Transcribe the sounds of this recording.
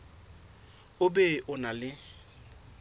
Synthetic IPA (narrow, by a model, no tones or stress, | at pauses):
ʊbeʔʊnalɪ